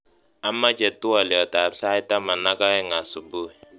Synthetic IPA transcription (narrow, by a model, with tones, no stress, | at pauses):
a˦mːa˦d͡ʒɛ˨tːu˦a˨li˨ɔ˨ta˨bsa˦ta˦ma˨na˦ka˦ɛ˦ŋa˨su˨bu˦˨